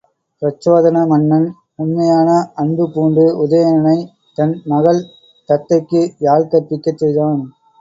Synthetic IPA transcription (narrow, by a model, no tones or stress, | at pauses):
pɾɐt͡ʃːoːðɐnɐmɐɳːɐn | ʊnmɐjaːnɐɐɳbɯpuːɳɖɯʊðɐjɐnɐnɐɪ | t̪ɐnmɐɣɐɭ | t̪ɐt̪ːɐɪkːɯjaːlkɐt̪ːɪkːɐt͡ʃːɛjðaːn